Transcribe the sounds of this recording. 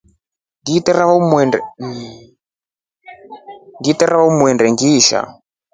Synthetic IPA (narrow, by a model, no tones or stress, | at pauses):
nditɛɾaβamwɛnɛ | nditɛɾaβamuɛndɛŋɡiːʃa̰